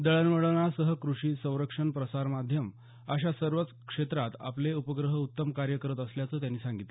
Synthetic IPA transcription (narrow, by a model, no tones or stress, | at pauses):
d̪əɭənʋəɽəɳasəɦəkɾuʂiːsə̃w̃ɾəkʂəɳpɾəsaɾmad̪ʱjəm | əɕasəɾʋət͡skʂet̪ɾat̪a̰pleupəɡɾəɦəut̪ːəmkaɾjəkəɾət̪əsljat͡səːt̪̬janːiːsãŋɡit̪l